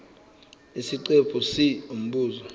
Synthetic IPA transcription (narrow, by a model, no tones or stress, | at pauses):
isiǀepʰusium̩ɓuːzɔ